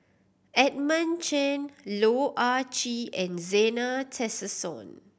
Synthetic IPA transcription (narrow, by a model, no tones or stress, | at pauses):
ɛt̚mə̃nt͡ʃɛ̃nloʔat͡ʃiɛ̃nzɛnatʰɛsəsɔ̰̃n